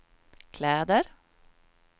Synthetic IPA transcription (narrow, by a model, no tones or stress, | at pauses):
kʰlæːd̪əɾ